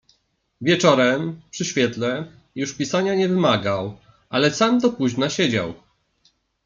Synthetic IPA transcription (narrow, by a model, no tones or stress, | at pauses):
vʲjɛt͡ʂɔɾɛmpʂɘɕfʲjɛt̪lɛ | juʂpʲisaɲaɲɛvɘmaɡaw | ʔalɛsamd̪ɔpuʑnaɕɛd͡ʑa̰w